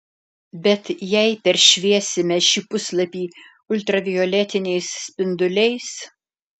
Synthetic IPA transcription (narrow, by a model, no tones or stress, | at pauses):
bʲɛt̪jɛɪpʲɛɾʃʲʋʲiɛsʲɪmʲɛʃʲiːpʊslˠɐpʲiː | ʊlʲt̪ɾɐʋʲɪjɔlʲɛt̪ʲɪnʲɛɪsːʲpʲɪnd̪ʊlʲɛɪs